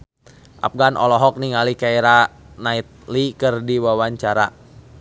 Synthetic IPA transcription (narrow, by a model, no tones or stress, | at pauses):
ʔa̰p̚ɡanʔɔ̰lɔɦɔk̚niŋalikaiɾa | nait̪̚likɨrdiwawaɲt͡ʃaɾa̰